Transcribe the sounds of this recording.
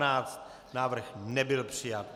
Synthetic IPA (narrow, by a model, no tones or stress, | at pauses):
naːt͡st̪ | naːvr̩xnɛbɪlpr̥ɪjat̪̚